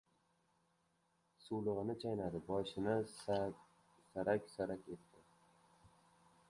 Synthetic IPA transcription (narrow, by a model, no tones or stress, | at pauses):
sulˠɨʁɨnɪt͡ʃʰajnad̪ɪbɒʃɪnɪ | saɾakʲsaɾakʲe̞t̪ʰːɪ